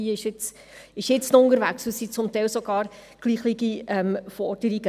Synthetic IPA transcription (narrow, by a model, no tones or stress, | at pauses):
iːɪʃɪt͡s | ɪʃjɪt͡snʊndəɾvæksusit͡sʊmtɛɪlsoɡɑːrɡ̥liːχliɡiɛmfɔd̥əɾiɡ̥ə